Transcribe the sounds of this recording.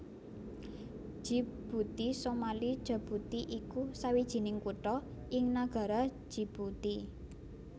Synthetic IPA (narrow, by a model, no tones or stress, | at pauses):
ʒ̥i̤b̥ut̪isomalid̥ʒ̥a̤b̥ṳt̪iʔikusawid̥ʒ̥i̤nɪŋkuʈɔ | ɪŋnaɡ̥a̤ɾḁ | ʒ̥i̤b̥ut̪i